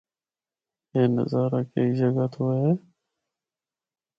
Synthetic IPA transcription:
eːnə̰zaːɾaːkeid͡ʒəɡaːt̪ʰoːɦeː

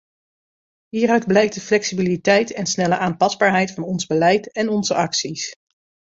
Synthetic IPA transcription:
ɦiːrœɥdblɛjk̚dəflɛksibilitɛjtɛnsnɛləʔaːmpɑzbaːɹɦɛjtfɑnɔnzbəlɛjtɛnɔnzəʔɑksis

